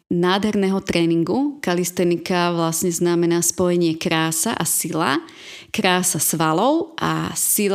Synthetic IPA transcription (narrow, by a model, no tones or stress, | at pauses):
naːd̪ɦɛɾnɛːɦɔt̪ɾɛːniŋɡukalist̪ɛnikaʋlasɲɛznamɛnaːspɔjɛɲɪɛkɾaːsa̰ʔasila | kɾaːsasʋalɔʊʔa̰sil